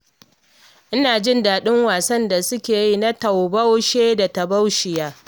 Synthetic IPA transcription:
ʔɪ˦naː˨d͡ʒɪ˦ndaː˨ɗɪ˦ŋwaː˨sɐ˦nda˨sʊ˦kʲeː˨ji˦na˦tɐ˨wbɐ˦wʃeː˦da˨tɐ˨ba˦wʃɪ˨jaː˦

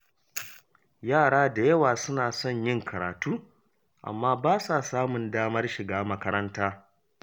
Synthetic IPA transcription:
jaː˦˨ɽaː˦da˨jɐ˦waː˨sʊ˦naː˨sɔ˦˨ɲjɪ˦ŋkʰɐ˨ɾa̰ː˨tuː˦ | ʔa̰˨mːaː˦baː˦sa˨saː˦mʊ˨ndaː˦mɐ˦rʃɪ˨ɡaː˦mɐ˦kɐ˦ɾɐ˦ntaː˦

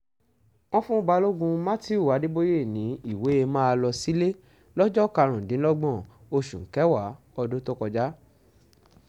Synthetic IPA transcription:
ɔ̃˦fũ˦˧ba˧lo˦ɡũ˧mã˦ti˦u˦˨wa˨˦di˦bo˦je˦˨nĩ˨˦i˦˨we˨˦e˧mãː˦˧lɔ˧si˦le˦ | lɔ˦d͡ʒɔ˦˨ka˧ɾ̃ũ˨dĩ˨˦lɔ˦ɡ͡bɔ̃˦˨ | o˧ʃṵ̃˨ŋ̩˨˦kɛ˨˦wa˨˦ | ɔ˧do˦to˦kɔ˧d͡ʒa˦

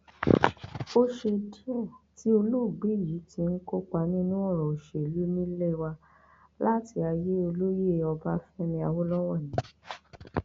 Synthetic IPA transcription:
o˦ʃe˧di˦ɔ˦˨ti˦o˧lu˦˨ɡ͡bi˨˦˨ji˨˦ti˧n̩˦ko˦k͡pa˧nĩ˦nũ˦ɔ˦˨ɾ̃ɔ̃˨o˨ʃe˨lu˨˦mĩ˦le˦wa˧ | la˦ti˧˦a˧je˦o˧lo˦je˦˨ɔ˧ba˦fɛ̃˦mĩ˧a˧wo˦lɔ˦wɔ˦˨nĩ˨˦

